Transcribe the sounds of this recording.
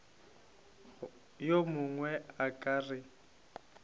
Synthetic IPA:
jomʊŋwɛakʼaːrɪ

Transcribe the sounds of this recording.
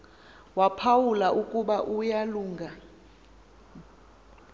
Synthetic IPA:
wapʰawulaʔukʼuɓaʔujaluːŋɡʱa

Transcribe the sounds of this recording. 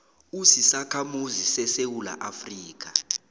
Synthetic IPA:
usisakʰamuzisɛsewula̰ʔafriːk̬a

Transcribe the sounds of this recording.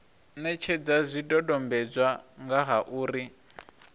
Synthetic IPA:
nɛt͡ʃʰɛd͡zazʷidɔdɔmbɛd͡zwaŋɡaɦaʔuːri

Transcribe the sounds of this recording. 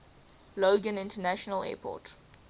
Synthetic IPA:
loʊɡə̃nɪ̃ntənæʃənəlɛ̰ːpʰɔ̰ˑt

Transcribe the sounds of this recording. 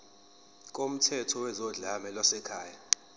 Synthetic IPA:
k̬ʼom̩tʰɛtʰɔwɛzɔɮamɛlwasɛkʰaːja

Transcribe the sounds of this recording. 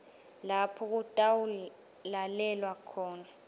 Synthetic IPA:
lapʰɔk̬utʼawu | lalɛlwakʰɔːna

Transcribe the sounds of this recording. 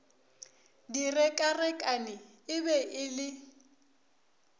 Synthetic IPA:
dirɛkʼarɛkʼanɪ | ɪbɛʔɪlɪ

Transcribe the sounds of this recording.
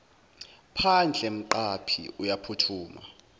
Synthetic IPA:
pʰand͡ɮʱɛm̩ǃapʰḭujapʰutʰuːma̰

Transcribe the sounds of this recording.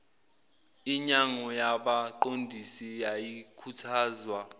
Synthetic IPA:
iɲaŋɔjaɓaǃondʱisijajikʰutʰaːzwa

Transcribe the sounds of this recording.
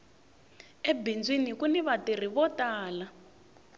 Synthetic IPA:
ɛbind͡zwinikunɛβatir̤iβɔtaːla

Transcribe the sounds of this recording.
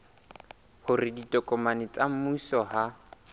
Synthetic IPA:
hʊrɪditʼɔkʼɔmanɪt͡sʼam̩musɔɦa

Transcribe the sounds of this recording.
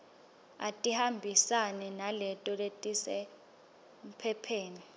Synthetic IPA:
a̰tʼihambʱisanɛnalɛtʼɔletʼisɛ | m̩pʰɛpʰeːni

